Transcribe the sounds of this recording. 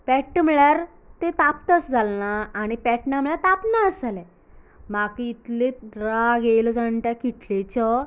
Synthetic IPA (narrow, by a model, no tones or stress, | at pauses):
pɛʈːm̤ɭjaɾ | t̪et̪apt̪ət͡sd͡zʱalnaːɽ̃ipɛʈnamɭjat̪apnaəsalɛ̃ | makit̪leɾaɡelɔd͡zaɳʈ̪jakiʈlet͡ɕɔ